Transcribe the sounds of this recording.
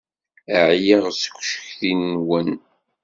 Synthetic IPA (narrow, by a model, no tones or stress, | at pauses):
əʕjəʁskʷːʃə̥çθinːwən